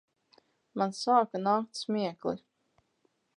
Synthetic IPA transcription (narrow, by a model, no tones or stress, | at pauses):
mansaːkanaːk̚t̪smʲiɛklḭ